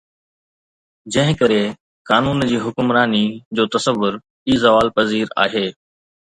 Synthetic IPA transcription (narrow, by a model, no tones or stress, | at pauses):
d͡ʑɐ̃ɦɪ̃kɐɾe | kaːnuːnd͡ʑiːɦʊkʊmɾaːnid͡ʑoːt̪ɐsəʋːʊɾ | iːzɐʋaːlpɐziːɾa̰ːɦeː